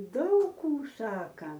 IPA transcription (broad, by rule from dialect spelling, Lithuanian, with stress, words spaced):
ˈdɐʊk ˈkuː ˈsɑːkɐ